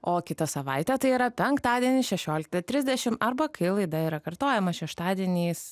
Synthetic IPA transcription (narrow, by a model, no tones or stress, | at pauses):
oːkʲɪt̪ɐsɐʋɐɪt̪ʲɛt̪ɐɪiːɾɐpʲɛŋkt̪ɑːd̪ʲiɛnʲɪʃʲɛʃʲoːlʲɪk̚t̪ɐt̪ʲɾʲɪzʲd̪ʲɛʃʲɪmɐɾbɐkɐɪlˠɐɪd̪ɐiɾɐkɐɾt̪oːjɛmɐʃʲɛʃt̪ɑːd̪ʲiɛnʲiːs